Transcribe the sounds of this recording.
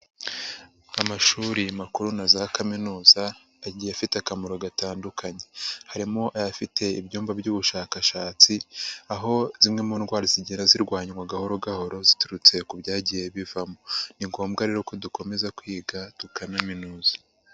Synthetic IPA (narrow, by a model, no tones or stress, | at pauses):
amaʃuːɾimakuɾunazakaminuːzaː | ɟijafitakamoɾo̞ɡataːndukʰaɲe̞haɾimoʔajafitʰe̞ibɟuːmbabɟuːβuʃaːkaʃaːt͡siaɦo̞z̥imŋe̞muːnɡwaːɾiziɟeɾaziɾɡwaːɲwaɡahoɾoɡaho̞ɾo̞zituɾut͡se̞kubɟaːɟije̞βivamo̞niŋɡo̞ːmbɡaɾeːɾo̞ko̞duko̞me̞zakwiːɡatukanaminuːza